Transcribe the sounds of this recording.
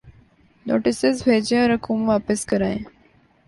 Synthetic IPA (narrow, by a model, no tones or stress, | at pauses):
no̰ːʈisɪzbʱed͡ʑẽəɾɐkumʋaːpəskəɾaːẽ